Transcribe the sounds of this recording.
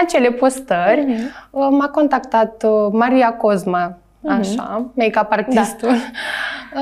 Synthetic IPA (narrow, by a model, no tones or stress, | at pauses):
at͡ɕelepost̪əɾʲ | makɔnt̪akt̪at̪maɾijakozma | aʃa̰mekapəɾt̪ast̪un